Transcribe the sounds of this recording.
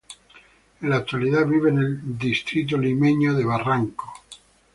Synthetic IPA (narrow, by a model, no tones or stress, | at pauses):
elat̪ːualiðaβiβeneld̪ist̪ɾit̪̬olimeɲoðeβaraŋko̥